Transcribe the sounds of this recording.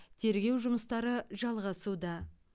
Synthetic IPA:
t̪ʰe̞ɾɡʲe̞wʒʊməst̪ɑɾəʒɑlˠʁɑsud̪ɑ

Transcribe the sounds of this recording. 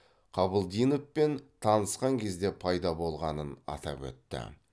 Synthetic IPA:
qʰɑbəlˠd̪ijnəpːe̞nt̪ʰɑnəsqɑŋkʲʰe̞zd̪e̞pʰɑjd̪ɑbo̞lˠʁɑnənɑ̰t̪ɑ̰pwɵ̰t̪ːɪ̰

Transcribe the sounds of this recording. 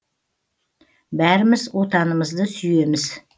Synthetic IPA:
bæɾɪmɪzwo̞t̪ɑnəməzd̪əsʏje̞mɪz̥

